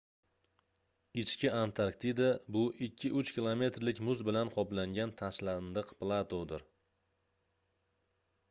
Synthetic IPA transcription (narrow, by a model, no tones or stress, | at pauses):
ɪt͡ʃkʲɪant̪ʰaɾkt̪id̪abʊʔɪkʲʰːɪʔʊt͡ʃkʲʰilˠome̞t̪ɾlɪkʲmʊzbɪlanqʰɒplaŋɡʲant̪ʰaʃland̪ɨqplˠat̪ʰod̪ɪɾ